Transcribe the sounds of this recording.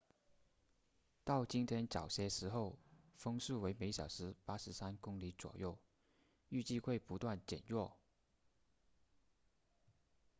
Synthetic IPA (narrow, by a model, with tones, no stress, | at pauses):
t̪ɑ˥˩ʊt͡ɕi˥nt̪ʰjɛ˥nt͡sɑ˨˩ʊɕjɛ˥ʂɻ̩˧˥xo˥˩ʊfɤ˥ŋʂu˥˩we˧˥ɪme˨˧˥ɪɕjɑ˨˩ʊʂɻ̩˧˥pa˥ʂɻ̩˧˥sa˥nkʊ˥ŋli˧˥t͡swɔ̰˨˩jo˥˩ʊ | y˥˧t͡ɕi˥˧xwe˥˩ɪpu˧˥t̪wa˥˩nt͡ɕjɛ̰˨˩njɔ˥˩